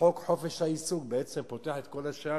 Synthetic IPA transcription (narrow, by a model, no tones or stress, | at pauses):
o̞kħo̞feʃhaisuɡbeet͡sempot̪eaħet̪̚ko̞laʃa